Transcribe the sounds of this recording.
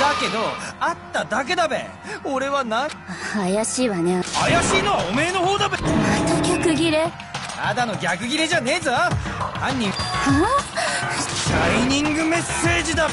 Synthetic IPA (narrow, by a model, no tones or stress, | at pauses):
ake̞d̪o̞at̪ːad̪ak̬e̞d̪abḛ | oɾe̞βanaajaɕiːβaneajaɕiːno̞βaome̞ːno̞ho̞ːd̪abenat̪oɡʲakɯ̟ɡʲiɾe | a̰d̪ano̞ɡʲakɯ̟ɡʲiɾe̞ʑane̞ːzaãɲ̟ʲːĩa | ɕaiɲ̟ĩŋɡɯ̟me̞sːe̞ːʑid̪a